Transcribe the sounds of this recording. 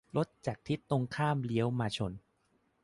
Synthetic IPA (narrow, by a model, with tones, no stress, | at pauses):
lo˦˥t̪̚t͡ɕaː˨˩k̚t̪ʰi˦˥t̪ːo˧ŋkʰaː˥˩mli˦əwmaː˧t͡ɕʰo˧n